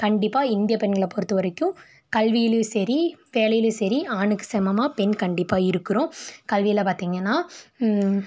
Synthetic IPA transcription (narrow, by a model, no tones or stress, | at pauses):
kɐɳɖɪpːaːɪnd̪ɪjɐpɛnɡɐɭpɔɾɯt̪ːɯʋɐɾɐkːʊ̃ | kɐlʋɪjɪlɯsɛɾiʋeːlɐjɪlɯsɐɾiaːnɯkːɯ̥sɛmɐmaːpɛnkɐɳɖɪpːaːɪɾɯkːɯɾõkɐlʋɪjɪlpaːɾt̪iːŋɡɐnːaː